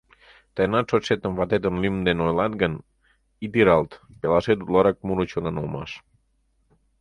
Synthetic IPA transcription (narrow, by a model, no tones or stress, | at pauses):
t̪ajnasoset̪əɱvat̪et̪ənlimd̪enojlad̪̚ɡan | it̪iɾalˠt̪pelaset̪ulɔɾak̚muɾut͡ʃonanoma̰s